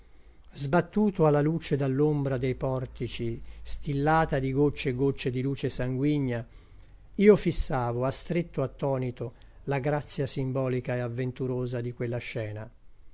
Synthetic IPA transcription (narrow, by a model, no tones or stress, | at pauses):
zbat̪ːuːt̪oalːaluːt͡ʃed̪alːombɾad̪ejpɔrt̪it͡ʃist̪ilːaːt̪ad̪iɡot͡ʃːeɡot͡ʃːed̪iluːt͡ʃesaŋɡwiɲːa | iːofisːaːvoast̪ɾet̪ːoat̪ːɔːnit̪o | laɡɾat̪sːjasimbɔːlikaeavːent̪uɾoːzad̪ikwelːaʃɛːna